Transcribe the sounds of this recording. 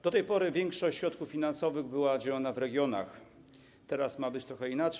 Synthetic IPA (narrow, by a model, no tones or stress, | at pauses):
d̪̥ɔt̪ɛjpɔɾɘvʲjɛŋkʂɔɕt͡ɕɕɾɔt̪kuffʲinansɔvɘɣbɘwad͡ʑalanavɾɛɡʲjɔna̰x | t̪ɛɾasmabɘt͡ɕt̪ɾɔxɛinat͡ʂ